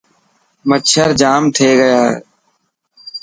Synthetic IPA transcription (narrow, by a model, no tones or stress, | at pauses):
mətʃʰəɾd͡ʒaːmt̪ʰeːɡəjaː